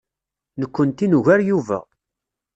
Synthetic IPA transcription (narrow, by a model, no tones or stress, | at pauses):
nəkʷːənt̪inuʝæɾjuvæ̰